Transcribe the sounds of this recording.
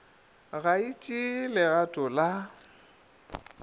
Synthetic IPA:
ɣait͡ʃʼilɪɣatʼʊla

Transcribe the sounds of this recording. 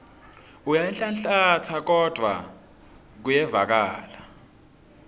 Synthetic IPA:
ujaɛnɬanɬatʰak̬ɔd̥ʱwa̰ | k̬ujɛva̰k̬aːla

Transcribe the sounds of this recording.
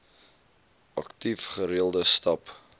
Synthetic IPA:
ʔɐktifχəɾiəlˠdəstɐp

